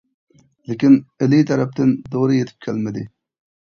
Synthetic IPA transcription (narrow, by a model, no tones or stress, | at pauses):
lekʲinɪlit̪ʰɛɾɛp̚t̪ɪnd̪oːɾɨjet̪ʰɪ̥p̚kʲʰɛlmɪd̪ɪ